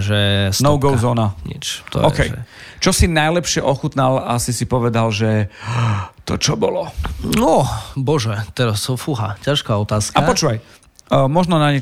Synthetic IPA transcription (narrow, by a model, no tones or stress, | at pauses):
ʒɛsnɔʊɡɔʊzɔːnaɲḭt͡ʃt̪ɔ̰ɔkɛjɛ̰ | t͡ʃɔsinajlɛpʃɪɛʔɔxut̪nalasisipɔʋɛd̪alʒɛ | t̪ɔ̰t͡ʃɔbɔlɔnɔbɔʒɛt̪ɛɾasfuɦa̰caʃkaːɔt̪aːskkaapɔt͡ʃuːʋaj | mɔʒnɔnaɲɛ